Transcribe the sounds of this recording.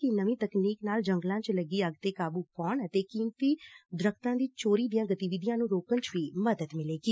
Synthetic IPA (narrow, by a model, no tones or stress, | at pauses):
inəʋĩːt̪əkniːknaːld͡ʒəŋɡlãːt͡ʃləɡiːəɡt̪eːkaːbuːkɔːɳət̪eːkiːmt̪iːd̪ɾəkʰt̪ãːd̪iːt͡ʃoːɾiːd̪ijãːɡət̪iːʋɪd̪ɪjãːnũːɾoːkənt͡ʃʋiːməd̪əd̪mɪleːɡiː